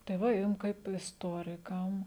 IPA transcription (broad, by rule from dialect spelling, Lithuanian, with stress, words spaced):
tɐɪ ˈʋɐ ˈjʊm kɐɪp ɪsˈtoːrʲɪkɐm